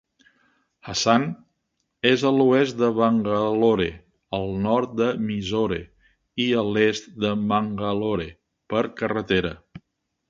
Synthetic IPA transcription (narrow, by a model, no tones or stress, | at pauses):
hasan | ezəluɛst̪d̪əβəŋɡəloɾḛ | əlˠnɔɾt̪̚d̪əmizoɾḛ | iəlest̪d̪əməŋɡəloɾe | pəɾkərət̪eɾə